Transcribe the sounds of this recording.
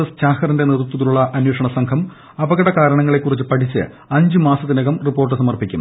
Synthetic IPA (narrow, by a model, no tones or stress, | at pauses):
ɐst͡ɕaːxɐrinde̞nerut̪ːɐðiluɭːɐʔɐnweːʂɐɳɐsɐŋkʰɐm | ɐbɐɣɐɽɐkaːɾɐɳɐŋːɐɭe̞kːurit͡ɕːɨpɐʈʰit͡ɕːɨ̰ | ɐɲd͡ʑɨmaːsɐt̪ːineɣɐmripːo̞ːrʈ̬ːɨsɐmɐrpikʲːṵm